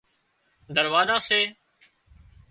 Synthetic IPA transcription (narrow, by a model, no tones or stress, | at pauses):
d̪əɾʋaːzãːseː